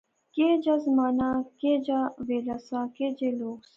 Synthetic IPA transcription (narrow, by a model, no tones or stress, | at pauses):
keːd͡ʑɐzmaːnaːkeːd͡ʑaʋeːlɐsãːked͡ʑeloːɡs